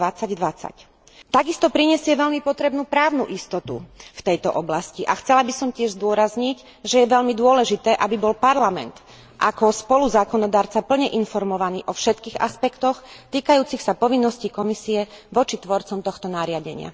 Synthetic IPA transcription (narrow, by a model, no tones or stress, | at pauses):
at͡saɟd̪ʋat͡sa̰c | t̪aɡist̪ɔpɾiɲɛsɪɛʋɛʎmipɔt̪ɾɛbnuːpɾaːʊnṵʔist̪ɔt̪ṵft̪ɛjt̪ɔ̰ʔɔblasciʔaxt͡sɛlabisɔmcɪɛʒzd̪ʊɔɾazɲic | ʒɛjɛʋɛʎmid̪ʊɔlɛʒit̪ɛːʔabibɔlpaɾlamɛ̰nt̪ | ʔakɔspɔluzaːkɔnɔd̪aːɾt͡sapl̩ɲɛʔinfɔɾmɔʋanḭːʔɔfʃɛt̪kiːɣa̰spɛkt̪ɔxt̪iːkajuːt͡sixsapɔʋinːɔscikɔmisiɛʋɔt͡ʃit̪ʋɔɾt͡sɔmt̪ɔxt̪ɔnaɾɪaɟɛ̰ɲɪa̰